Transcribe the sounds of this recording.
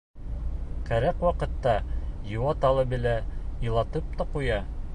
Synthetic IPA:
qæɾæqwɑqɤ̆t̪ːɑjŭwɑt̪ɑlˠɤbɘ̆læjɤ̆lˠɑt̪ɤp̚t̪ɑqujɑ

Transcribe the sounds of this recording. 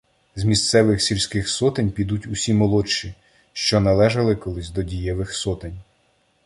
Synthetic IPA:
zmʲist̪sɛʋɪxsʲilʲsʲkɪxsɔt̪ɪnʲpʲid̪utʲʊsʲimɔlˠɔt͡ʃːi | ʃt͡ʃɔnɐlˠɛʒɐlˠɪkɔlˠɪsʲd̪ɔdʲijɛʋɪxsɔt̪enʲ

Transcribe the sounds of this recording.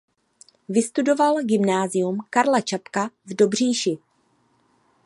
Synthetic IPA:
vɪst̪udo̞valɡɪmnaːzɪjumkaɾlat͡ʃapkavdobr̝iːʃɪ

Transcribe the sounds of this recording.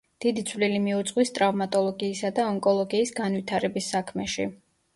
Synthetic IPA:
d̪̥id̪it̪sʰvlilimiut̪sʼqʼwist̪ʼɾavmat̪ʼɔlˠɔɡiːsad̪aɔŋkʼɔlˠɔɡiːsɡanvit̪ʰaɾɛbisːakʰmɛʃḭ

